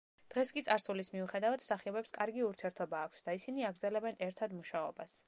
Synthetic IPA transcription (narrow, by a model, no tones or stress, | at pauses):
d̪̥ʁɛskʼit̪sʼaɾsulismiuχɛd̪avad̪̥saχiɔbɛpskʼaɾɡiuɾt̪ʰiɛɾt̪ʰɔbaːkʰʷsd̪aisiniaɡɾd̪zɛlɛbɛnɛɾt̪ʰad̪muʃaɔbas